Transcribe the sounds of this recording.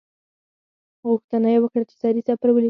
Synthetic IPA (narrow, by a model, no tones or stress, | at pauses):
ɣuxt̪anajewəkɽat͡ʃe̥sɑɾisapaɾwəli